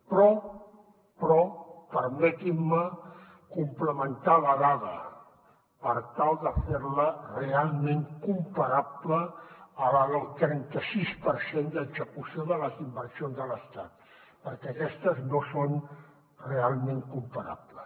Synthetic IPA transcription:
pɾɔ | pɾɔpəɾmɛt̪imːə | kumpləmənt̪aləðaðə | pəɾt̪alˠd̪əfeɾlərealˠmeŋkumpəɾapləːləəlˠt̪ɾɛnt̪əsispəɾsend̪əɡzəkusijoðələzimbəɾsionzðələst̪at̪ | pəɾkɛəkɛst̪əznoson | realˠmeŋkumpəɾa̰pləs

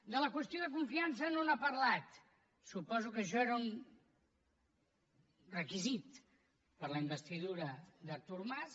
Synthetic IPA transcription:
d̪ələkwəst̪joðəkuɱfians̬ənonapɐɾlat̪ | supɔzukəʃ̬ɔeɾun | rəkizit̪ | pəɾləimbəst̪iðuɾəðəɾt̪uɾmas

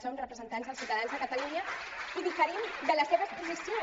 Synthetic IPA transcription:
sonrəpɾəzənt̪anzðəlˠsiuwt̪əðanzðəkət̪aluɲəiðifəɾimd̪ələseβəspuzisio

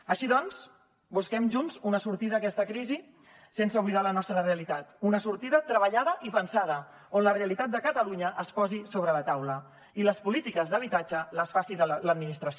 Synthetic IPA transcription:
əʃiðɔnz | buskɛmʒunzunəsuɾt̪iðəːkɛst̪əkɾizi | sensəuβliðalənɔst̪ɾəreəlit̪at̪unəsuɾt̪iðət̪ɾəβəʎaðəʔipənsað̞ə | onləreəlit̪at̪̚d̪əkət̪əluɲəʔəspɔzisoβɾələt̪awlə | iləspulit̪ikəzðəβit̪ad͡ʒələsfasiðələd̪minist̪ɾəs

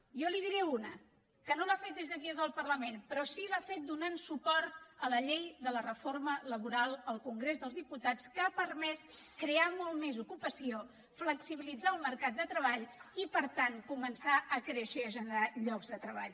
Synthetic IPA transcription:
jɔliðiɾɛunə | kənolafet̪̚d̪ezðəɣiəzðəlˠpərləmenpɾɔsilafet̪̚d̪unansupɔɾt̪̚ələʎejðələrəformələβuɾalˠəlˠkuŋɡɾezðəlˠzðiput̪at͡skapərmɛskɾeamɔlˠmezukupəsio | fləksiβilid͡zaəlˠməɾkat̪̚d̪ət̪ɾəβaʎipəɾt̪aŋkumənsaʔəkɾeʃəʒənəɾaʎɔɡzðət̪ɾəβ̞a̰ʎ

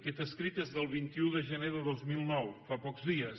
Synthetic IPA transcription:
kɛt̪əskɾit̪ezðəlˠβ̞int̪iuðəʒəneðəðozmilˠnɔwfapɔkzðiəs

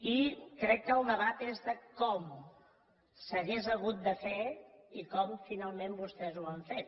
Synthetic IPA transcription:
ikɾɛkːəːlˠd̪əβat̪ezðəkɔm | səɣezəɣ̞ut̪̚d̪əfeikɔmfinalˠmembust̪ɛzuaɱfet̪̚

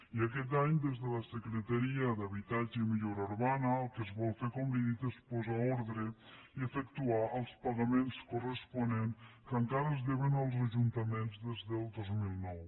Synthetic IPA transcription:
iəkɛt̪̬aɲd̪ezðələsəkɾət̪əɾiəðəβit̪ad͡ʒəmiʎoɾauɾβanəːlˠkəzβɔlˠfekombiðit̪espɔzaoɾðɾəiəfəkt̪uaʔəlˠspəɣəmenskorəspuneŋkəŋkaɾəzðeβənəlˠzəʒunt̪əmenzðezðəlˠd̪ozmilˠnɔw

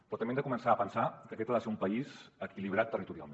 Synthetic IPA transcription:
pɾɔt̪mbend̪əkumənsaːpənsakəkɛt̪aðəseumpəizəkiliβ̞ɾat̪ːərit̪uɾia̰lˠme

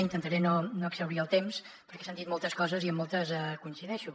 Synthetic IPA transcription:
int̪ənt̪aɾɛnonoəksəwɾiəlˠt̪ems | pəɾkɛ̥sand̪it̪mɔlˠt̪əskɔzəziəmːɔlˠt̪əzəkunsiðɛʃu

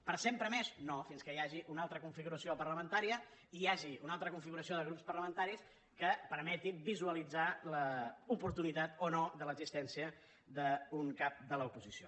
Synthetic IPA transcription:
pəɾsempɾəmeznofinskəjaʒiʔunalˠt̪ɾəkuɱfiɣuɾəsiopəɾləmənt̪aɾiə | iaʒiunalˠt̪ɾəkuɱfiɣuɾəsioðəɣ̞ɾupspəɾləmənt̪aɾis | kəpəɾmɛt̪iβizuəlid͡zaləupuɾt̪unit̪at̪onoðələɡzist̪ɛnsiə | ðəuŋkap̚d̪ələupuzisio

